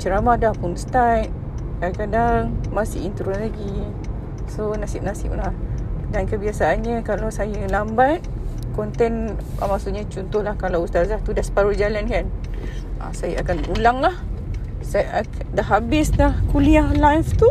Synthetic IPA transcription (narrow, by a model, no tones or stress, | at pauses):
t͡ʃəɾamahdahpunst̪ajʔ̚ | kakadaŋmasɪʔint̪ɾulaɡi | sonasɪʔ̚nasɪ̰p̚lahdankəbiasaːnɲə̃kalawsajəlambat̪̚kɔnt̪ɛna̰masuʔɲat͡ʃɔnt̪ʊhlahkalawust̪azaht̪udahsə̥paɾud͡ʒalankan | a̰sajaakanulaŋlah | sa | daɦabɪslahkuliahlajft̪u